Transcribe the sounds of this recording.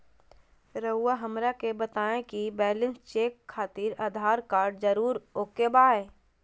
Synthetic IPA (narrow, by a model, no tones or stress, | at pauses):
ɾəʊːaɦəmɾakebət̪aːẽkibɛːlɪ̃nst͡ʃeːkʰːaːt̪iːɾaːd̪ʱaːɾkaːɾɖd͡ʒəɾuːɾoːkebaːeː